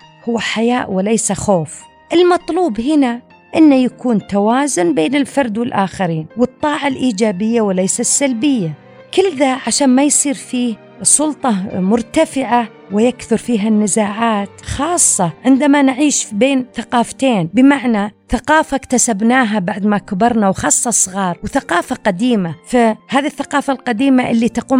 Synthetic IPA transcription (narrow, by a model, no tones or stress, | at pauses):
hʊwːaħajaːʔwɪlajsaxoːf | ʔɪlmɑt̪ˤluːbhɪna | ʔɪnːajakuːnt̪awaːzʊnbeːnɪlfɑɾˤd̪wɪlʔaːxaɾiːnwɨt̪ˤːɑːʕalʔiːd͡ʒaːbɪjːawɪlajsasːalbɪjːa | kɪlðaʕaʃaːnmajsˤiːɾfiːh | sˤʊlt̪ˤɑmʊɾt̪afɪʕa | wɪjakθʊɾfiːɦanːɪzaːʕaːt̪xɑːsˤːɑʕɪnd̪amanʕiːʃbeːnθaqɑːft̪eːnbɪmaʕnaθaqɑːfakt̪asabnaːɦabaʕd̪makabɑɾˤnawxɑːsˤːɑsˤːɣɑːɾˤwθaqɑːfaqad̪iːmafahaːðiθːaqɑːfalqad̪iːmaʔɪlːit̪ɑquːm